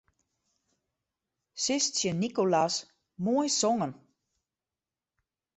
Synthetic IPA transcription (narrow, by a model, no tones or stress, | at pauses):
sɪstsjənikolas | moəjsɔŋən